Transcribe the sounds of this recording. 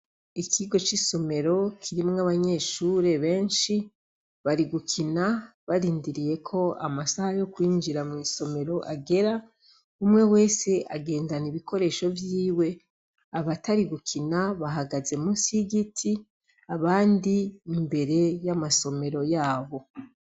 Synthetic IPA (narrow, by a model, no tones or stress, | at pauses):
ikʰiɡo̞t͡ʃiso̞me̞ɾo̞kʰiɾimaβaɲe̞ʃuːɾe̞βe̞ːnʃi | βaɾiɡukʰinaβaɾiːndiɾije̞kʰo̞a̰masahajo̞kwiːɲd͡ʒiɾamŋiːso̞me̞ɾo̞ʔaɡe̞ɾa | umŋe̞we̞ːse̞ʔaɡe̞ːndaniβikʰo̞ɾe̞ːʃo̞vjiːwe̞ | aβataɾiɡukʰinaβaɦaɡazemusiɡitʰi | aβaːndiːmbe̞ɾe̞jamaso̞me̞ɾo̞jaːβo̞